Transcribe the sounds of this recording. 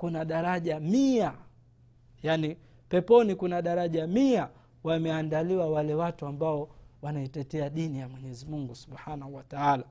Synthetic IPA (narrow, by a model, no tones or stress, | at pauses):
kunaɗaɾaʄamia | jani | pɛpɔnikunaɗaɾaʄamia | wamɛandaliwawalɛwatuambaɔwanaitɛtɛaɗinijamwɛɲɛzimuŋɡusu̥ɓhanahuwataala